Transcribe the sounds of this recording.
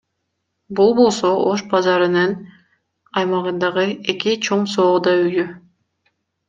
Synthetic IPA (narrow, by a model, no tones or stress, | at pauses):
bulˠbo̞lˠso̞oʃbɑzɑɾɯnɯn | ɑjmɑʁɯnd̪ɑʁɯe̞kit͡ʃʰo̞ɴso̞ːd̪ɑyjy